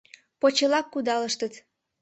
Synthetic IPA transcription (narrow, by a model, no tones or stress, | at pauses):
pot͡ɕəlɑkːud̪ɑləʃt̪ət̪